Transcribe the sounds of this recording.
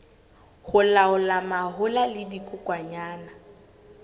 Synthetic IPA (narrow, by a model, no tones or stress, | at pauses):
hʊlaʊlamaɦʊlalɪdikʼʊkʼwaɲaːna